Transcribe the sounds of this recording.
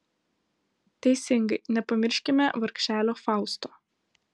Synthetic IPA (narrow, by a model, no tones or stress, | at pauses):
t̪ʲɛɪsʲɪŋɡɐɪnʲɛpɐmʲɪɾʲʃʲkʲɪmʲɛʋɐɾkʲʃʲæːlʲoːfɑˑʊst̪oː